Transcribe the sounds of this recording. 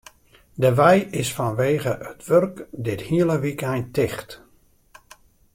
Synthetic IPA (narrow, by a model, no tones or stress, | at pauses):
dəʋɛjɪsfɔnʋeːɣəʔətʋørkdɪthiələʋikɛjntɪxt